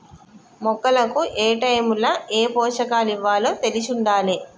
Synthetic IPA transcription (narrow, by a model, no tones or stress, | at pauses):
mɔkːɐlɐkuʔeːʈɐjmulɐʔeːpɔːʂɐkaːliʋːaːlot̪e̞lit͡ʃuɳɖaːli